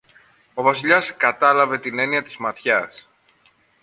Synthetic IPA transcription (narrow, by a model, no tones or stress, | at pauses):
o̞vɐsiʎɐskɐt̪ɐlɐve̞t̪ine̞niɐt̪izmɐt̪çɐs